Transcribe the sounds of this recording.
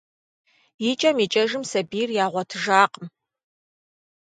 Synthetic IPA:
jit͡ʃʼɐmit͡ʃʼɐʒɨmsɐbiːrjaːʁʷɔtʰɨʒaːqəm

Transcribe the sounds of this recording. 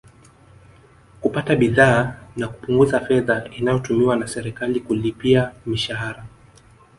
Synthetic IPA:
kupataɓiðaːnakupuŋɡuzafɛðainajɔtumiwanasɛɾɛkalikulipiamiʃaɦaɾa

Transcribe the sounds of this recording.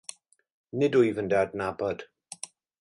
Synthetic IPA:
nɪdʊjvəndɛdnabɔd̥

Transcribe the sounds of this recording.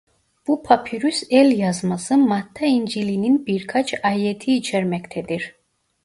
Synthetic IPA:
b̥upʰapʰiɾysɛlʲjazmasɯmat̪ʰːaind͡ʒilininbiɾkʰat͡ʃʰaːjɛt̪ʰiːt͡ʃʰɛɾmɛct̪ʰɛd̪iɾ

